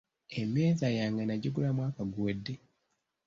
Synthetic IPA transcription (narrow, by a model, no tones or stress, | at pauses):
emːeːzajaːŋɡanaɟiɡulamwaːkaɡuwedːe